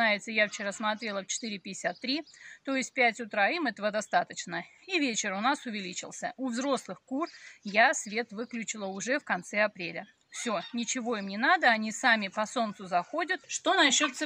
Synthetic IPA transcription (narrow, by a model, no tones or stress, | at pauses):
najɪt̪səjaft͡ɕɪɾasmɐt̪ɾʲe̞lˠəft͡ɕɪ̥t̪ɨɾʲɪpʲɪɪsʲat̪ːɾʲit̪o̞jɪsʲt̚ʲpʲætʲʊt̪ɾaimɛt̪əvəd̪ɐst̪at̪ət͡ɕnə | ivʲet͡ɕɪɾʊnasʊvʲɪlʲit͡ɕɪ̰lˠsʲə̰ʊvzɾo̞slˠɨxkurjasvʲe̞t̪vɨklʲʉt͡ɕɪlˠəʊʐɛfkɐnt̪sɛɐpɾʲelʲə | fsʲonʲɪt͡ɕɪvo̞imnʲɪnad̪əɐnʲisamʲɪpɐso̞nt̪sʊzɐxodʲət̪ʂt̪onɐɕːo̞t̪s